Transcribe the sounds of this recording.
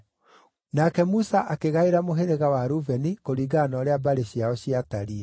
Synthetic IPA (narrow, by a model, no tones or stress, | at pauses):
nakɛmusaʔakeɣaeɾamoɦeɾeɣawaɾuvɛnikoɾiɡanɔɾeabaɾeɕiaɔɕiataɾiɛ